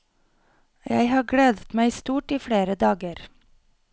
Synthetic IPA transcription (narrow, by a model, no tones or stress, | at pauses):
jæ̰ɪhɑːɡɽeːd̪ət̪mæɪst̪uːʈiːfɽeːɾəd̪ɑːɡəɾ